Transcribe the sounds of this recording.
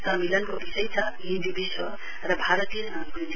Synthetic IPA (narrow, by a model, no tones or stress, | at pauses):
səmilənkobisəjt͡sʰʌ | ĩnd̪ibiswʌ | ɾʌbʱaɾət̪iəabid̪